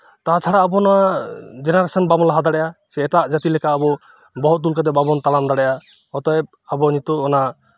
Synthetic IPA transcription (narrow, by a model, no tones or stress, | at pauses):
tat͡ʃʰaɽaːbɔnɔwad͡ʒenaɾasɔnbamɔlaɦad̪aɽɛjʔasɛːtaʔd͡ʒat̪ilɛkaːbɔ | bɔɦɔt̪̚ːulkad̪ɛbabɔnt̪alamd̪aɽɛja | hɔt̪ɔɛb̚abɔɲit̪ɔːna